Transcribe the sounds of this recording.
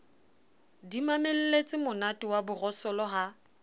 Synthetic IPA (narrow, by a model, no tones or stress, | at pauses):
dimamel̩let͡sʼɪmʊnatʼiwabʊrɔsɔlɔɦa